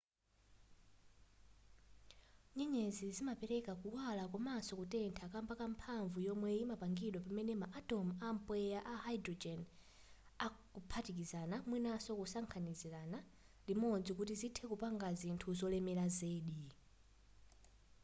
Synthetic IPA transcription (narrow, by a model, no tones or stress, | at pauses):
ɲɛɲɛzizimapɛɾɛkakuwalakwɔmasɔkutɛntʰakambakam̩pʰaɱvujɔmwɛimapaŋɡiɗwapamɛnɛmaʔatɔmam̩pwɛjaʔahaidɾɔd͡ʒɛn | akupʰatikizanamwinasɔkusaŋkʰaniziɾana | dimɔd͡zikutizitʰɛkupaŋɡazintʰuzɔlɛmɛlazeːɗi